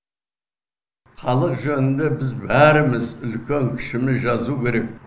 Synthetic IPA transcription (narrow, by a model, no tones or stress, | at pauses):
χɑlˠəqʒɵnɪnd̪e̞bɪzbæɾɪmɪzʏlkʲʰe̞ŋkʲʰɪ̥ʃɪmɪzʒɑzukʲʰe̞ɾe̞k̚